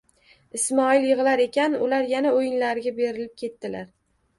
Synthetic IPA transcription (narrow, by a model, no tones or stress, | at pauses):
ɪsmɒɪljɨʁɨlaɾe̞kʲʰanʊlaɾjanaojɪnlaɾɪɡʲabe̞ɾɪlɪp̚kʲʰe̞t̪ːɪlaɾ